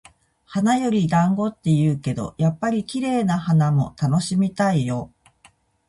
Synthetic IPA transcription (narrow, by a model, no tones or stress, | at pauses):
hanajo̞ɾʲid̪ãŋɡo̞t̪ːe̞jɯːke̞d̪o̞̰japːaɾʲikʲiɾe̞ːnahanamo̞t̪ano̞ɕimʲit̪aijo̞